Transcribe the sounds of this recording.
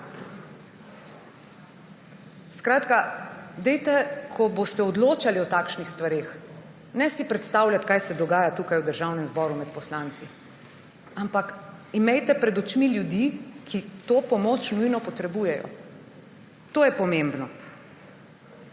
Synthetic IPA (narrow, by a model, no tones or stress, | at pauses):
skɾaːt̪kad̪ɛjt̪ɛkʰɔbost̪ɛɔd̪loːt͡ʃaliɔt̪aːkʃnixst̪ʋaɾeːx | nɛsipɾɛt̪st̪aːwljat̪kajsɛd̪ɔɡaːjat̪uːkajwd̪əɾʒawnɛmzbɔːɾumɛt̪̚pɔslant̪si | ampakimɛjt̪ɛpɾɛd̪ɔt͡ʃmiljud̪ikʰit̪oːpɔmoːt͡ʃnujnɔpɔt̪ɾɛbuːjɛjɔ̰ | t̪oːjɛpɔmembnɔ